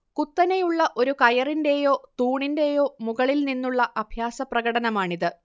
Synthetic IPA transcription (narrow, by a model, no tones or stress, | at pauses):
kut̪ːɐnejuɭːɐʔo̞ɾukɐjɐrinde̞jo̞ːt̪uːɳinde̞jo̞ːmuɣɐɭilninːuɭːɐʔɐbʱjaːsɐprɐɣɐɽɐnɐmaːɳiðɨ